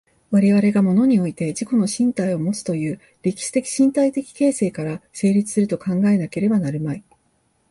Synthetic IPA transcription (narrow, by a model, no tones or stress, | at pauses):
βaɾe̞βaɾe̞ɡamo̞no̞ɲ̟io̞it̪e̞d͡ʑiko̞no̞ɕĩnt̪aio̞mo̞t͡sɨ̥t̪o̞jɯ̟ː | ɾʲekʲi̥ɕi̥t̪e̞kʲi̥ɕĩnt̪ait̪e̞kʲi̥ke̞ːse̞ːkaɾase̞ːɾʲit͡sɨ̥sɨɾɯ̟t̪o̞kãŋɡae̞nake̞ɾe̞banaɾɯ̟mai